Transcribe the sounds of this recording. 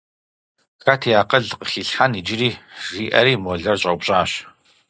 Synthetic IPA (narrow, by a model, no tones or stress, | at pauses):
xaːtʰijaːqɐɮqəxiːɬħanid͡ʒɪɾiːʐiːʔɐ̰ɾiːmoɮɐrɕʼɐwpɕʼaːɕ